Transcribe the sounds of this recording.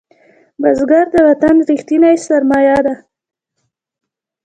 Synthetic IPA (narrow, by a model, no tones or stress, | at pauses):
bazɡaɾd̪əwat̪anɾixt̪inajsaɾmɑjɑd̪a